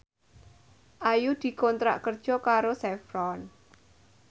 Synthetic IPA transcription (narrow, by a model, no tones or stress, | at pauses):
ʔajud̪̥i̤kɔnt̪ɾa̰ʔkərd̥ʒ̥ɔ̤kaɾosɛfɾɔn